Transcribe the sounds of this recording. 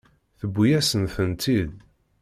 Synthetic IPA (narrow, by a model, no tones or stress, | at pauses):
θəbːijæsənθənt̪ʰið